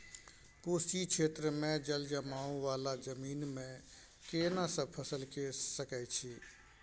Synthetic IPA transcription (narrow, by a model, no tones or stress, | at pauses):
puːst͡ʃikt͡ʃʰeːt̪ɾəmẽd͡ʒəld͡ʒəmaːũʋaːlad͡ʒəmiːnmẽ | keːnasəpʰəsəlkesəkajt͡ʃʰiː